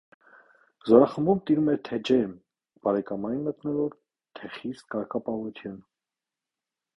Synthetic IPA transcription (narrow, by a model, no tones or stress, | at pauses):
zɔɾɑχəmbumt̪iɾumɛt̪ʰɛd͡ʒɛɾm | b̥ɑɾɛkɑmɑjinmət̪nɔvɔɾ | t̪ʰɛχist̪kɑɾkɑpɑvut̪ʰjun